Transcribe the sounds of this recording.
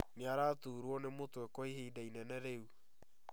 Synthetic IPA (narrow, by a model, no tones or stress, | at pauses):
mjaɾatuːɾwɔnemotwɛkɔiɦeidainɛnɛɾeu